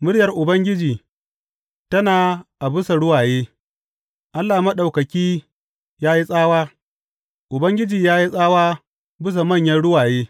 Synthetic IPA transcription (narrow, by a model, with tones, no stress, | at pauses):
mʊ˦ɽjɐ˨rʔʊ˨bɐ˦ŋɡʲɪ˦d͡ʒiː˨ | tɐ˦naː˨ʔa˨bɪ˦sa˨ɽʊ˦waː˨jeː˦ | ʔa˦lːaː˨mɐ˦ɗa˨wkɐ˨kʲiː˦ | jaː˦ji˦sʼaː˦waː˦ | ʔʊ˨bɐ˦ŋɡʲɪ˦d͡ʒiː˨jaː˦ji˦sʼaː˦waː˦ | bɪ˦s̬a˨mɐ˦˨ɲjɐ˦nɽʊ˦waː˨jeː˦